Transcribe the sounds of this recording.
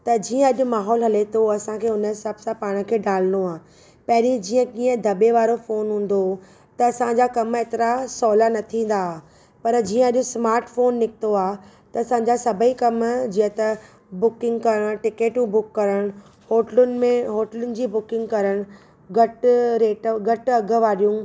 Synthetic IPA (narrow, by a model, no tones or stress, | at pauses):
t̪ɐd͡ʑiːə̃ɐʄʊ̆maːɦɔːlɦɐlet̪ʰoɐsãkʰeːʊnəɪsɐbsãpaːɽ̃ə̆kʰeːɖaːl̤noaː | pɐɦɪɾid͡ʑiːə̃kiːə̃d̪ʱɐɓeʋaːɾofoːnɦũːn̆d̪o | t̪ɐːsãɲd͡ʑakɐmeːt̪ɪɾasɔːlanɐt̪ʰĩːn̆d̪a | pɐɾd͡ʑiːə̃ɐʄʊ̆smaːɾʈfoːnːɪk̚ʰɪ̥t̪oaː | t̪ɐːsãːɲd͡ʑasɐbʱəikɐmd͡ʑiːə̃t̪ɐ | bʊkɪ̃ŋɡkɐɾəɽ̃ʈɪkeːʈũbʊkːɐɾəɽ̃ | hoːʈlʊnɪ̆mẽɦoːʈəlʊnɪ̆d͡ʑiːbʊkɪ̃ŋɡkɐɾəɽ̃ | ɡɐʈɾeːʈɡʱɐʈɐɡʱə̆ʋaːɾijũ